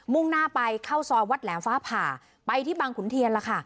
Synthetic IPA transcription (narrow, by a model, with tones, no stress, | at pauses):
mu˥˩ŋnaː˥˩pa˧jkʰa˥˩wsɔː˧wa˦˥t̪̚lɛː˩˦mfaː˦˥pʰaː˨˩ | pa˧jt̪ʰiː˥˩baː˧ŋkʰu˩˦nt̪ʰi˧ənla˧kʰa˥˩